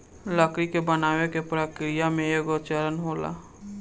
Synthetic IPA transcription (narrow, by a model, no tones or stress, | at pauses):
ləkɾikebənaːwekepɾəkɾijamẽeɡot͡ʃəɾənɦoːla̰